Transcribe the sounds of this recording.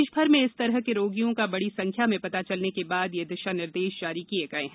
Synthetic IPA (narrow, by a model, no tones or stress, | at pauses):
ʃbʱɐɾmẽɪst̪ɐɾəɦkeɾoːɡijõkabɐɽisɐ̃ŋkʰjamẽpɐt̪at͡ʃɐlnekebaːd̪jed̪ɪʃanɪɾd̪eːʃd͡ʒaːɾikieɡɐeɦɛ̃